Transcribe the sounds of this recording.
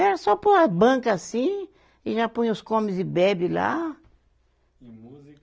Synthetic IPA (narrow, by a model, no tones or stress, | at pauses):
ɛɾɐsɔpoɐbɐ̃kɐːsĩ | ɪʒapõj̃ʊskõmɪzd̪ɪbɛbɪla̰